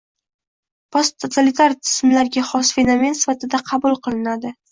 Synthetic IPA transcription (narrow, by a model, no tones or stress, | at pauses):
pʰost̪ʰot̪ʰalit̪ʰaɾt̪ʰɪ̥smlaɾɡʲaχɒsfe̞nome̞nsɪfat̪ɪd̪aqʰɑbʊlˠqʰɨlˠɪnad̪ɪ